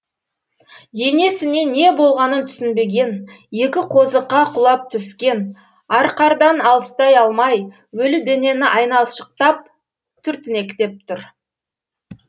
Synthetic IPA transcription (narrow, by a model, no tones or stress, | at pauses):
je̞ne̞sɪne̞ne̞bo̞lˠʁɑnənt̪ʰʏ̥sɪnbe̞ɡʲe̞n | je̞kʲɪqʰo̞zəqːɑqʰʊlˠɑp̚t̪ʰʏskʲe̞n | ɑɾqɑɾd̪ɑnɑlˠəst̪ɑjɑlˠmɑj | wɵlɪd̪e̞ne̞nɪʔɑjnɑlˠʃə̥q̚t̪ɑp̚ | t̪ʰʏɾt̪ɪne̞kʲt̪e̞p̚t̪ʰʊɾ